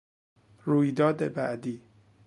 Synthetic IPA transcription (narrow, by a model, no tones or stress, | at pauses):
ruːjd̪ɒːd̪ebæ̰ʔd̪iː